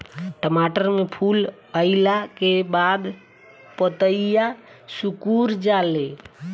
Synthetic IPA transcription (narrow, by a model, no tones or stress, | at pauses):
ʈəmaʈəɾmepʰul | əɪlakebad̪ | pət̪əija | sukuɾd͡ʒale